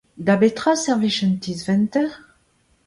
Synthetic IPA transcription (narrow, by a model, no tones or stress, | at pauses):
d̪abet̪χasɛʁviʃənt̪izvɛnt̪ɛʁ